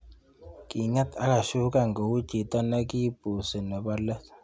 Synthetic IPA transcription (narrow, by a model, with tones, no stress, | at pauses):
ki˨ŋɛ˦t̪ʰa˦ka˨ʃu˦ka˨ŋɡo˨u̥˦d͡ʒi˨t̪a˦na˦ki˦b̥u˨sɛ˨nɛ˨ɓa˦lɛ˦